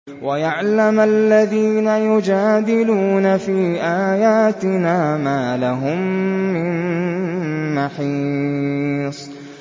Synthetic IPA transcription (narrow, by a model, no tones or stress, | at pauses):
wajaʕlamʔalːaðiːnajʊd͡ʒaːd̪ɪluːnafiːʔaːjaːt̪ɪnaːmaːlaɦʊmːɪn | maħiː | sˤ